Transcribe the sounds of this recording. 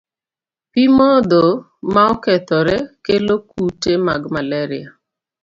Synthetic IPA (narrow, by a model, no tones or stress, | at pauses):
pimɔd̪o | maɔkɛt̪ɔɾɛkelokutemaɡmalɛɾɪa